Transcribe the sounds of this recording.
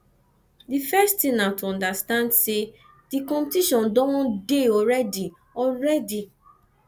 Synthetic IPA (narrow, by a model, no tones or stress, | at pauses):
difɛsttĩnatuɔ̃ndastãndse | d̥ikɔ̃mtiʃɔ̃ndɔ̃deɔɹɛdi | ɔɹɛdi